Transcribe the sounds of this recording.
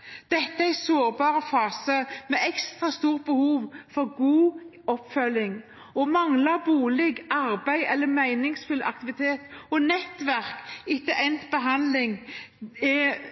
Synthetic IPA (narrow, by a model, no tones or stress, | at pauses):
d̪̥ɛt̪ːəæɪsoːɾbɑːɾəfɑːsəmɛɛkst̪ɾɑst̪uːʁt̪̚bəhuːʋfɔɾɡuː | ɔpːfœlːɪŋ | ɔmɑŋlɑbuːlɛɡɑɾbæɪɛlːəmæɪnɪŋsfʉlɑ̰kt̪ɪʋɪt̪ʰeːt̪ɔnɛt̪ːʋæɾkɪk̪ːəʔɛnt̪bəɦɑnd̪lɪŋ | ɛ